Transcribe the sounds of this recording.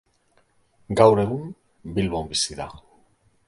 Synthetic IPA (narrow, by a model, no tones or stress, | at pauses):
ɡawɾe̞ɣum | bilβo̞mbisiða